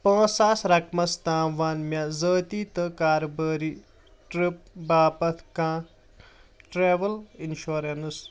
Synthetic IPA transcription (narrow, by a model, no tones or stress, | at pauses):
pə̃ːsaːsɾɐkmɐst̪aːʋaːnmjaːzəːt̪iːt̪ɐkaːɾbəːɾiː | ʈɾip̚baːpɐt̪ʰkãː | ʈɾeːʋɐlinʃoːɾens